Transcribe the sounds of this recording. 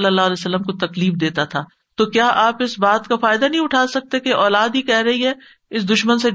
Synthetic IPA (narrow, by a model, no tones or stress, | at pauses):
ləlːaːɦlɛːsəlːəmkot̪ɐkliːfd̪eːt̪at̪ʰaː | t̪oːkjaːʔaːpɪsbaːt̪kafaːɪd̪anɐɦĩʊʈʰaːsɐk̚t̪ekeʔɔːlaːd̪ɦikɛɦɾɐɦiɦɛ | ɪs̬d̪ʊʃmənse